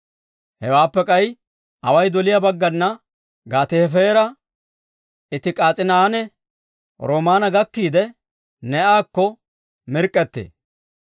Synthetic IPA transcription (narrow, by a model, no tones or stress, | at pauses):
hɛwaːpːɛkʼɐj | ʔɐwɐjd̪ɔlɪjɐbɐɡːɐnːɐ | ɡaːt̪efeːɾɐ | ɪt̪ɪkʼaːt͡sʼɪnaːnɛ | ɾoːmaːnɐɡɐkːiːd̪ɛ | nɛaːkːɔ | mɪɾkʼːɛt̪ːḛː